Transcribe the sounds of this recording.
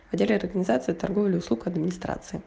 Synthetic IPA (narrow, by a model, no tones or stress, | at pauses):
vɐdʲelʲɪɐrɡənʲɪzat̪sɨɪt̪ɐrɡovlʲɪʊslˠukɐd̪mʲɪnʲɪst̪ɾa̰t̪sɨɪ